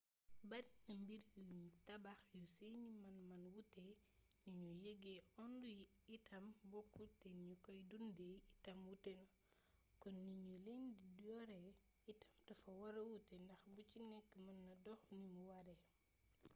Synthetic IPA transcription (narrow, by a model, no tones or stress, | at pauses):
bɐɾinɐmbiɾɡəɲtɐbɐxjuseɲimɐnmɐnwutːɛ | niɲujəɡeʔɔnduji | itʰɐmbɔkːutɛnɲukɔjdundɛitɐmwutɛnɐ | kɔnːiɲuleɲdidɔɾɛ | itɐmtɐfɐwɐɾɐwutɛndɐxbut͡ʃinɛkːmɐnːɐdɔxnimuwɐɾɛ